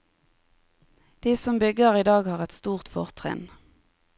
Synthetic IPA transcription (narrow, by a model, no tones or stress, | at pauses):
d̪̥iːsɔmbʏɡəʁiːd̪ɑːɡhɑːʁɛt̪st̪uːʁt̪fɔʁt̪ʰʁɛ̰n